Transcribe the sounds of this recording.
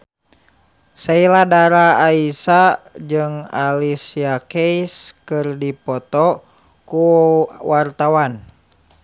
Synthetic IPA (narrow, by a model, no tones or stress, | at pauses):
sailadaɾaːisad͡ʒɨŋalisiakeiskɨrdipɔt̪ɔ | kuwart̪awan